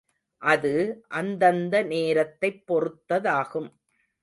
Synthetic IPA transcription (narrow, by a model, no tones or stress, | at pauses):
ʔɐðɯʔɐnd̪ɐnd̪ɐneːɾɐt̪ːɐɪpːɔrɯt̪ːɐðaːɣɯm